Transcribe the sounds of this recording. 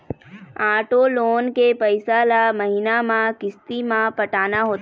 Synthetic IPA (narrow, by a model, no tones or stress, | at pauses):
aːʈoloːnkepəɪsalamɐɦinamãkɪst̪imãpɐʈaːnaɦoːt̪